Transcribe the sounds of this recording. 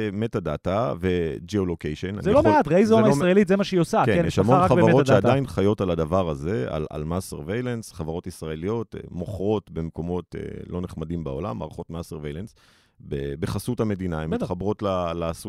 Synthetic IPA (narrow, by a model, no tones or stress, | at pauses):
metadatave̞d͡ʒiolokejʃena̰nzeloat̪ʁeizomaisʁaelitzemaʃeiosaeejeʃamonʁaχavaʁoʃeaddajinχajo̞talad̪avaʁaze̞a̰la̰lmaseʁvejlensχavaʁo̞tisʁae̞lijo̞tmo̞χʁo̞tbe̞mko̞mo̞tḛlo̞neχmadimbao̞la̰maːʁχo̞tmaseʁvejlens | bebeχasuthame̞dinaemit̪χabʁo̞tlalaːsu